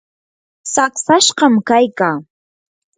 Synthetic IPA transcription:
saksaʃqɑmkajkaː

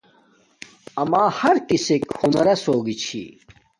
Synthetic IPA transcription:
ɐmaːhɐɾkisekhunɐɾɐsoːɡit͡ɕʰḭ

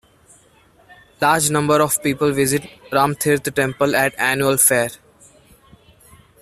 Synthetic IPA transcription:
laːɾd͡ʒnʌ̃mbəɾɔːʋpiːpəlʋɪzɪʈ̚ɾãːmt̪ʰɪɾt̪ʰʈɛ̃mpəlɛʈæːnjuəlfeːɾ

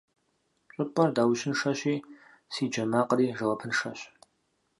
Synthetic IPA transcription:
ɕʼʊpʼɐrdaːwʃɪnʂɐɕiː | siːd͡ʒɐmaːqriːʒɐwɐpʰɨnʂɐɕ

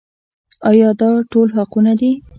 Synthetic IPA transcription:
ɑjɑd̪ɑʈolɦaqunad̪i

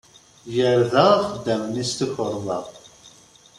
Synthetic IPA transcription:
jəɾðæχəd̪ːæmənist̪əçəɾˤmɑ̰

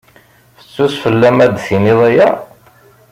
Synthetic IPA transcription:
θə̥t͡sːusfəlːæmæd̪θiniðˤæjæ

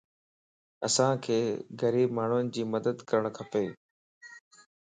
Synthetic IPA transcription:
ɐsãkʰeːɣəɾiːbmaːɳ̤ʊənɪ̆d͡ʑiːməd̪əd̪kɐɾəɽ̃kʰɐpeː

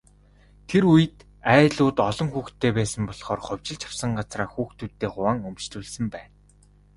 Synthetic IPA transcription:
t̪ʰeɾujɘ̆t̪ | æːɮʊːt̪ɔɮɞ̆ŋxuːxt̪ʰːeːpæːsə̆mpɔɮχɔːrχʊw̥ʲt͡ɕɪ̆ɮt͡ɕʰḁw̥sə̆ŋɢat͡sraːxuːxt̪uːt̪ːeːχʊwaːŋɵmt͡ɕɮuːɮsɘ̆mpæːn

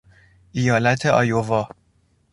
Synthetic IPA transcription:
ʔijɒːlæt̪ʰeɒ̰ːjovɒː

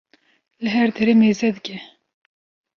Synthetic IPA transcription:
lɨɦɛɾd̪ɛɾemeːzɛd̪ɨkʲɛ

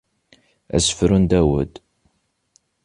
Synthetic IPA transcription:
æ̰sə̥fɾənd̪æwə̰d̪

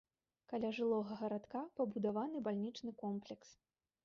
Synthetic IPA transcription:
kalʲaʐɨlˠɔɣɐɣɐɾat̪kapɐbud̪avanɨbalʲnʲit͡ʂnɨkɔmplʲɛks

